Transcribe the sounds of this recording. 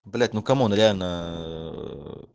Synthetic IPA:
blet̪nukamunɾana

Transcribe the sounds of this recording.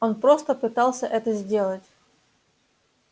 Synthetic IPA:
onpɾo̞st̪əpɨt̪ɑlˠsʲəʔɛt̪əzʲdʲe̞lˠətʲ

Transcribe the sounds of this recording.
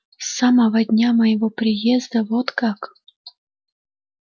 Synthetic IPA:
saməvɐd̪ʲnʲaməjɪvopɾʲɪjezd̪əvot̪kak

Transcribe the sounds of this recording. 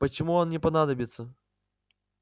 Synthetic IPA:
pɐt͡ɕɪmuɔnnʲɪpɐnad̪əbʲɪt̪sə

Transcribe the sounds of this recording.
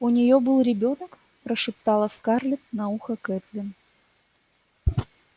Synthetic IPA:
ʊnʲɪjo̞bɨlˠɾʲɪbʲo̞nək | pɾəʂɨpt̪ɑlˠəskarlʲɪt̪nɐuxəkɛt̪lʲɪn

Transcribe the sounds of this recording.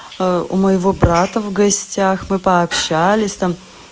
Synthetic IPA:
ʊ̰məjɪvobɾat̪əvɡɐsʲtʲaxmɨpəɐpɕːalʲɪsʲt̪am

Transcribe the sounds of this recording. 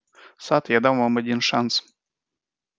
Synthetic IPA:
sat̪jad̪amvamad̪ʲinʂans

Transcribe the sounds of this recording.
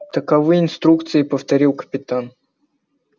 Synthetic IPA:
t̪əkɐvɨjɪnst̪ɾukt̪sɨɪpəft̪ɐɾʲilˠkə̥pʲɪt̪an

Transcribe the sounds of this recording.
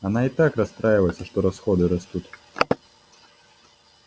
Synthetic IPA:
ɐnait̪akrɐst̪ɾajɪvəjɛt̪sɐʂt̪ɔɾɐsxɔd̪ɨɾɐst̪ut̪

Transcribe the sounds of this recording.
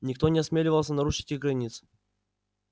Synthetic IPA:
nʲɪk̚t̪o̞nʲɪɐsmʲelʲɪvəlˠsʲənɐɾuʂɨ̥tʲɪɣɡɾɐnʲit̪s

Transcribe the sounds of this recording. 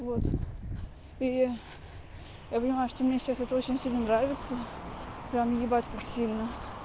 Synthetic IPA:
vo̞t̪ | i | japənʲɪmajʊʂt̪omnʲesʲɪt͡ɕasɛt̪əot͡ɕɪnʲsʲilʲnənɾavʲɪt̪səpɾʲamjʲɪbatʲkaksʲilʲnə

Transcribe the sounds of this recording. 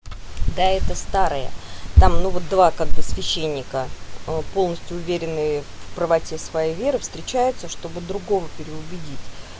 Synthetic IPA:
d̪aɛt̪əst̪aɾɨjə̰t̪amnuvot̪̚d̪vakaɡ̚d̪asvʲɪɕːenʲːɪkəpo̞lˠnəsʲtʲjʊʊvʲeɾʲɪnːɨjəffpɾəvɐtʲe̞svɐjejvʲe̞ɾɨfst̪ɾʲɪt͡ɕæjʊt̪səʂt̪o̞bɨd̪ɾʊɡo̞vəpʲɪɾʲɪʊbʲɪdʲitʲ

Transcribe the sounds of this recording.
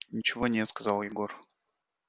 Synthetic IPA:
nʲɪt͡ɕɪvonʲɛt̪skɐzɑlˠjɪɡo̞r

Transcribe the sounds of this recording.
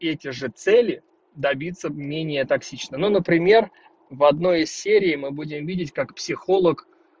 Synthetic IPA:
ɛtʲɪʐɨt̪sɛlʲɪ | d̪ɐbʲit̪sːəmʲenʲɪjət̪ɐksʲit͡ɕnənunəpɾʲɪmʲe̞r | vɐd̪no̞jɪsʲsʲeɾʲɪːmɨbudʲɪmvʲidʲɪtʲkakpsʲɪxo̞lˠək

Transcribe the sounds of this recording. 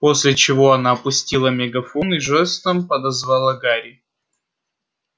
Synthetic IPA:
po̞sʲlʲɪt͡ɕɪvo̞ɐnaɐpʊsʲtʲilˠəmʲɛɡɐfunɨʐɛst̪əmpəd̪ɐzvalˠɐɡaɾʲɪ

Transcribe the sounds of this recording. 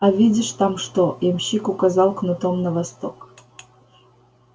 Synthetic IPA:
avʲidʲɪʂt̪amʂt̪ojɛmɕikʊkazɑlˠknut̪omnəvast̪ok

